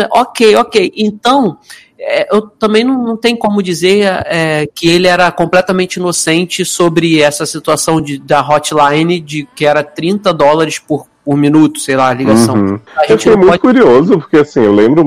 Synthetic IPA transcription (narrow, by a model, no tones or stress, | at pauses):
ɛʔokejokejẽnt̪ɐ̃w̃ | ɛʔewt̪ɐ̃mbẽj̃nɐ̃w̃nɐ̃w̃t̪ẽɲʊkõmʊd͡ʒizeɛkɪelɪɛɾɐkõmplɛt̪ɐmẽnt͡ʃɪinosẽnt͡ʃɪsobɾɪɛsɐsit̪uasɐ̃w̃d͡ʒɪd̪ɐɦɔt͡ʃlajnɪd͡ʒɪkɪɛɾɐt̪ɾĩnt̪ɐd̪ɔlɐɾɪspʊɾ | pʊɾmĩnut̪ʊ̥sejlaliɡasɐ̃w̃aʒẽwt͡ʃɪnoj̃jmũɔʊkuɾiozʊpoɾkeasĩewlẽmbɾʊ